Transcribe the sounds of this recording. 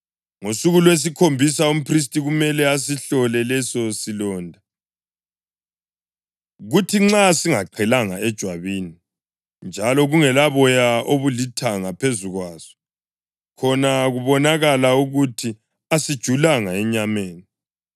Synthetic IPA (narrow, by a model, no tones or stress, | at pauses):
ŋosuɣulwes̬ikʰombʱisaum̩pʰris̬tʼiɣumɛlɛas̬iɬɔlɛlɛsɔsilɔːndʱa | ɣutʰiŋ͡ǁasiŋaǃʰɛlaŋaɛd̥ʒ̥ʱwaβiːni | nd͡ʒʱalɔɣuŋɛlaβɔjaoβulitʰaŋapʰezuɣwaːz̥ɔ̥ | kʰɔnaɣuβɔnaɣalauɣutʰi | asid̥ʒ̥ʱulaŋaɛɲameːni